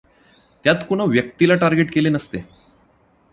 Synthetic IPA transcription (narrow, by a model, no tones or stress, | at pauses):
t̪jat̪kuɽ̃aʋjək̚t̪ilaʈaɾɡeʈkelenəst̪e